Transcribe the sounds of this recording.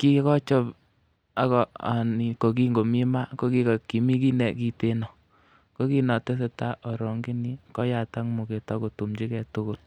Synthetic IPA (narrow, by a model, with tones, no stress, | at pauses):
ki˦kɔ˦t͡ʃɔ˦p | a˨˦kɔ˨a̰˨ni˨ko˨k̬i˦ŋɡo˨mi˦ma˦ko˦ki˦ka˨ki˨mi˦ki˦nɛ˨ki˨te˦nɔ˨ | ko˦ki˦nɔ˨tɛ˦s̬ɛ˨ta˦ʔɔ˨ɾɔ˨ŋɡi˦ni˦kɔ˦ja˨ta˦ŋmu˨ke˨ta˦ko˨tu˨mt͡ʃi˦kɛ˨to˦ko˦l